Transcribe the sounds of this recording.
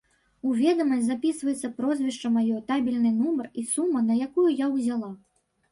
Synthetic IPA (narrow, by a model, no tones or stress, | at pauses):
uvʲɛd̪ɐmɐsʲzapʲisvɐjɛt̪sːɐpɾɔzʲvʲiʂt͡ʂɐmajɔt̪abʲilʲnɨnumɐrisumːɐnɐjakujujawzʲalˠa